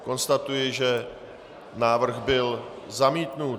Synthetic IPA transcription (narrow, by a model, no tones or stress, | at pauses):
ko̞nst̪at̪ujɪʒɛ | naːvr̩ɣbɪl | zamiːt̪nu